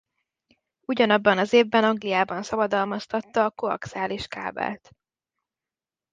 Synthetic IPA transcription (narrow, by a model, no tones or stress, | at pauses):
uɟɒnɒbːɒnɒzeːvːɛnɒŋɡlijaːbɒnsɒbɒd̪ɒlmɒst̪ɒt̪ːɒːkoɒ̰ksaːliʃka̰ːbɛ̰lt̪